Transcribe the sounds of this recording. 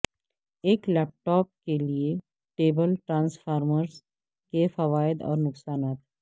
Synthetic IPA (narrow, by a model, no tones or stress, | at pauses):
eːklɛːp̚ʈɔːp̚kelie | ʈeːbəlʈɾãːnsfaːɾməɾs | kefɐʋaːɪd̪ɔ̰ːɾnʊksaːnaːt̪ɦɛː